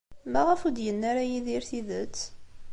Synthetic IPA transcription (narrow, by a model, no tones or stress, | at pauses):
mæʁəfud̪jənːaɾajiðiɾθiðət͡sː